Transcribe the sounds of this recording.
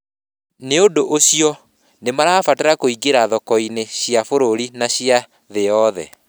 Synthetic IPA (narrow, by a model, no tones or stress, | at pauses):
neodoʔoɕiɔ | nemaɾafateɾakoiɡeɾaðɔkɔineɕjafoɾoɾinaɕja | ðejɔðɛ̰